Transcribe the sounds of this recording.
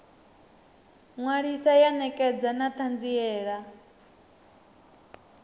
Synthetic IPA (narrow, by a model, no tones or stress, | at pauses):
ŋwaɺisajanɛkʼɛd͡zanat̪ʰand͡ziɛːɺa